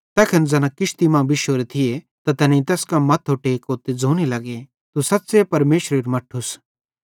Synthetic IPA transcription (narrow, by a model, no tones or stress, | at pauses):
t̪ɛːkʰɐnd͡zɐnãkɪʃt̪imãbɪʃoɾet̪ʰɪje | t̪at̪ɛnĩt̪ɛːskamɐt̪ʰːoʈeːkoːt̪ed͡zoːñilɐɡe | t̪usɐt̪ːsepɐɾmeːʃɾeɾmɐʈʰːus